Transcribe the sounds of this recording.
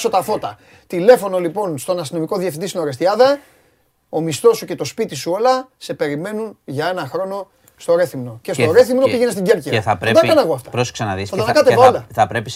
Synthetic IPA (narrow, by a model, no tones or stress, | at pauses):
so̞t̪ɐθo̞t̪ɐ | t̪ile̞fo̞no̞lipo̞nst̪o̞nɐst̪ino̞miko̞ðjiɐfind̪isino̞ɾest̪iɐðɐ | o̞mist̪o̞suce̞t̪o̞spit̪isuo̞lɐse̞pe̞ɾime̞nunʝɐe̞nɐxɾo̞no̞ | st̪o̞ɾe̞θimno̞cest̪oɾe̞θimnopiʝenest̪iɲɟe̞ɾceɐpɾd̪ɐɐnɐɣoɐft̪ɐ̥pɾosksɐnɐðisθɐt̪ɐnɐkɐt̪epɐlɐθɐpɾepis